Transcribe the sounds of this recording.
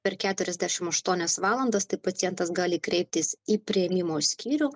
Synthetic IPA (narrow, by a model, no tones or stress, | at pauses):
pʲɛɾkʲæːt̪ʲʊɾʲɛzʲd̪ʲæʃʲɪmɐʃt̪uɔnʲɛsʋɑːlˠɐnd̪ɐst̪ɐɪpɐt̪ʲɪjɛnt̪ɐsɡɑːlʲɪkɾʲɛɪp̚ʲt̪ʲɪsiːpʲɾʲɪɛmʲɪmoːsʲkʲiːɾʲuː